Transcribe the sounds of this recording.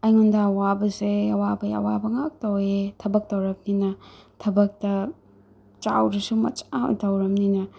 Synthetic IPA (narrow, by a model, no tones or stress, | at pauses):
ɐjŋundɐɐwabɐseɐwabɐɐ̰wabɐŋak̚tɐwetʰɐbɐk̚tɐwɾɐp̚ninɐtʰɐbɐk̚tɐ | t͡ʃawɾisumɐ̰t͡ʃa̰tɐwɾɐmninɐ